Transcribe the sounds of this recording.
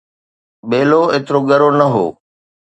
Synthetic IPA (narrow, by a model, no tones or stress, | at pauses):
ɓeːloːeːt̪ɪɾoɠɐɾonɐɦo̰ː